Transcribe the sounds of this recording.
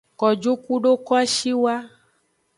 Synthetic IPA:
kɔ˨d͡ʒo˦ku˦ɖo˦kɔ˦a˦ʃi˦wa˦

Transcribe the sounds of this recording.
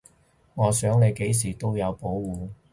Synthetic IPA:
ŋɔː˨˧sœː˨˥ŋle˨˧jke˨˥js̬iː˨˩t̪o˥wjɐ˨˧wpo˨˥wwuː˨˧

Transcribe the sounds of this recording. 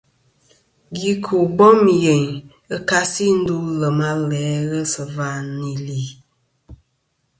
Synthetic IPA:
ɡi˦kʰu˨bɔ˦m˨je˨ŋ | ə˦ka˦si˦n̩˦du˦lə˨ma˦lɛ˨˦ɣə˦sɨ˨va˦ni˨li˨

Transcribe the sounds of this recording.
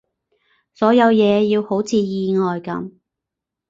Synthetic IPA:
sɔː˨˥jɐ˨˧wjɛː˨˧jiː˧who˨˥wt͡sʰiː˨˧jiː˧ŋɔː˨jkɐ̰˨˥m

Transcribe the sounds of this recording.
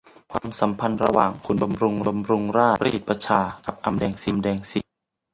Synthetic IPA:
kʰwaː˧msa˩˦mpʰa˧nɾa̰˧wa̰ː˨˩ŋkʰu˧nba˧mɾu˧ŋa˧mɾu˧ŋɾaː˥˩ɾa̰˧˦ḭ˨˩t̪̚pa˧t͡ɕʰaː˧ka˨˩p̚ʔa˧mdɛː˧ŋsi˧mdɛː˧ŋsi˨˩t̪̚

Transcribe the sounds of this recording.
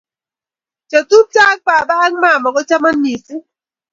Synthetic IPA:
t͡ʃɔ˨tu˦p̚t͡ʃa˦k̚pa˨baː˦ŋma˦˨mɔ˨ɡɔ˦t͡ʃa˦ma˦nːi˨si˦

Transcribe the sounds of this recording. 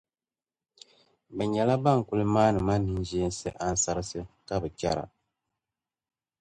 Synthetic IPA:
bɛ˨ɲɛ˨la˦ba˦˨ŋ̩˨ku˦lɨ˦maː˦nɨ˨ma˦nːɨ˨n˦ʒeː˦n˦sɨ̰˦ʔa˦n̩˦sa˦ɾɨ˦sɨ˦ka˦bɨ˨t͡ʃa˦ɾa̰˨

